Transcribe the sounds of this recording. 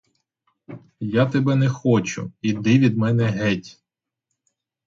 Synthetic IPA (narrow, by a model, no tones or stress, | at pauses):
jat̪ebɛnɛxɔt͡ʃʊ̰id̪ɪʋʲid̪mɛnɛɦɛtʲ